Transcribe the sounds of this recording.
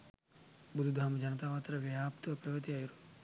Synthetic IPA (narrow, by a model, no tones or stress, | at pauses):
bud̪ʱud̪ʱaːmd͡ʒɐnɐt̪aːpaːt̪ɾɐʋɐaːpt̪uɐpɾɐʋɐt̪̬iaːjuɾu